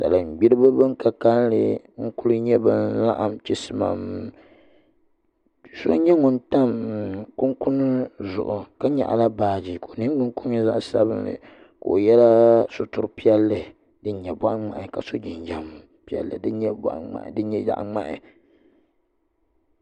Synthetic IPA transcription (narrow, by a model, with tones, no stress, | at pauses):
ta̰˨lɨ˨m̩˨ɡ͡bi˦ɾɨ˦bɨ˦bɨ˦ŋ˦ka˨ka˦llɨ̰˨ | ŋ̩˦kʊ˦lɨ˦ɲɛ˦bɨ˦nla̰˦ʔa˨mt͡ʃi˦sɨ˦ma̰˨m | so˦ɲɛ˦ŋʊ˨nta˦mku˦ŋkʊ˦nɨ˦zʊ̰˨ʔʊ˨ka˦ɲa̰˨ʔa̰˨la˦baː˨d͡ʒi˨ko˨nɨ˦ŋ˦ɡ͡bɨ˦nkʊ˦mi˦za˦ʔsa˦βɨ˦nlɨ̰˨ | ko˨o˨jɛ˦la˦so˨tʊ˨ɾpi˦ɛ˦lːɨ˨ | dɨ˦ɲɛ˨ba˦ʔŋ͡ma˨ʔɪ˨ka˨so˦d͡ʒi˨nd͡ʒa˨m | pi˦ɛ̰˦lːɨ̰˨dɨ˦ɲɛ˦ba̰˨ʔa̰˨ʔdɨ˦ɲɛ˦ja̰˨ʔŋ͡ma̰˦ʔɪ̰˨